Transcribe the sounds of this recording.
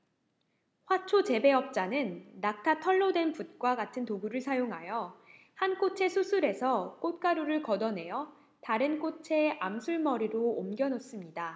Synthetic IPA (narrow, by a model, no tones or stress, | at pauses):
ɸwat͡ɕʰot͡ɕe̞be̞ʌp̚t͡ɕ͈anɯnːak̚tʰatʰʌɭːʌdwe̞nput̚k͈waɡatʰɯntoɡuɾɯɭsʰajoŋɦajʌ | hank͈ot͡ɕʰe̞sʰusʰuɾe̞sʰʌk͈ot̚k͈aɾuɾɯɭkʌdʌne̞jʌ | taɾɯnk͈ot͡ɕʰe̞amsʰuɭmʌɾiɾoːmɡjʌnos͈ɯmɲida